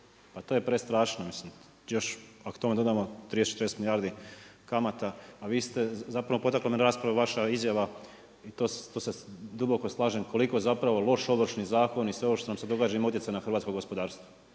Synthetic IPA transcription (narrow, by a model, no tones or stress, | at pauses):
pat̪oje̞pɾest̪ɾaːʃnomislim | jo̞ʃako̥t̪o̞med̪o̞d̪amot̪ɾid̪est͡ʃet̪ɾd̪esmiljaːɾd̪ikamat̪aːʋiːst̪e̞zapɾaʋo̞po̞t̪aklˠomenɾaːspɾaʋaʋaʃaizjaʋa | it̪oːst̪osed̪ubo̞ko̞slˠaːʒemkʰo̞liko̞zapɾaʋo̞lo̞ʃo̞ʋr̩ʃnizaːko̞nisʋe̞ʋoʃt̪t̪onamse̞d̪o̞ɡaːd͡ʒaimaut̪jetsaenaxɾʋaːt̪koɡo̞spo̞d̪aːɾst̪ʋo